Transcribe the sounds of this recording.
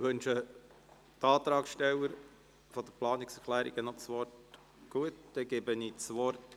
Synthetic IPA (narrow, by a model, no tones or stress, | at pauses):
ʋɵnʃə | tɑːt̪ɾɑːkʃtɛwəɾ | fɔd̥̪əplɑːniksɛɾklæːɾḭɡ̥ənɔt͡sʋɔrt | ɡ̥uətd̪̥ɛɡ̥ɛbənit͡sʋɔrt